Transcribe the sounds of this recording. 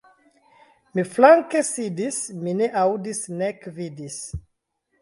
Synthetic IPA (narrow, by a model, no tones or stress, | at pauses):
miflaŋkesidismineʔawdisnekvidis